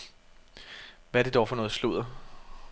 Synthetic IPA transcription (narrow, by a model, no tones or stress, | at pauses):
ʋææɐɾ̥e̝d̥ɒʊfɒnɔ̽ːð̩ˠsluð̰ˠɐ